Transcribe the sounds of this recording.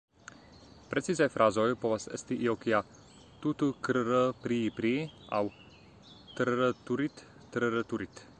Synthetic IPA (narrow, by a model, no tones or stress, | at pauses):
pɾɛt̪sizajfɾazɔjpɔvasɛst̪iʔiokija | t̪ut̪ukɾəɾəpɾiːpɾia̰w | t̪ɾɾət̪uɾit̪ː | ɾɾət̪uɾit̪